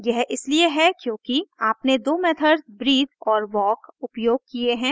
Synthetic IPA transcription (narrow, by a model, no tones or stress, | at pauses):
jɛɦʔɪslieɦɛkjõːkiaːpned̪oːmeːt̪ʰəɾzbɾiːd̪ɔːɾʋɔːkʊpjoːɡ̚kieɦɛ̃ː